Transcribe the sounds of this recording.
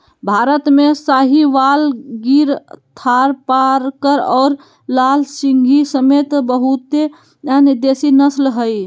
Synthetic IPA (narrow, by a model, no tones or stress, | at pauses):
bʱaɾət̪mesaɦiʋalɡiɾt̪ʰaɾpaɾkəɾɔːɾ | lalsiŋɡʱisəmet̪bəɦut̪e | aniɾd̪esinəslɦəj